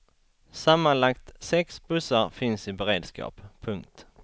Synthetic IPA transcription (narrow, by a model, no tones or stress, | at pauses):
samːanlakt̪sɛksbɵsəɾfɪnsɪbɛɾeːd̪skɑ̰ːppʰːɵŋk̚t̪